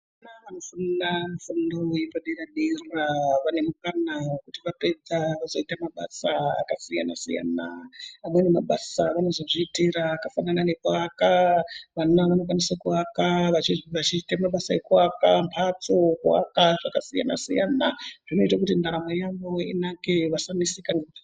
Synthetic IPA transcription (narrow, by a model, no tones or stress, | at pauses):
naʋanofunamufundowipaɗiraɗiraʋane̞mukanaokutiʋape̞d͡zaʋazo̞itamaɓa̰saa̰kasija̰na̰sḭja̰na̰ːmwenemaɓasaʋano̞zo̞ʐiːtiɾaːkafananane̞kuakaʋanaʋano̞k̬wanisakuakaʋaʋat͡ʃitamaɓasaekuakampʰat͡so̞kua̰kaʐakasija̰na̰sijanaʐ̥ino̞itak̬utindaɾamojaŋɡoḭnakeʋasanisika